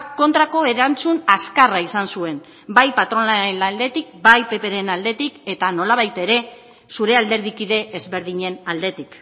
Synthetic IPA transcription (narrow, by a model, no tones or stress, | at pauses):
ko̞nt̪ɾako̞e̞ɾant͡sunaskaraisansue̞n | bajpat̪ɾo̞naelald̪e̞t̪ik̚bajpe̞pe̞ɾe̞nald̪e̞t̪ike̞t̪ano̞laβ̞ajt̪e̞ɾe̞ | suɾe̞ald̪e̞ɾð̞ikiðe̞ːzβe̞ɾð̞iɲe̞nald̪e̞t̪ik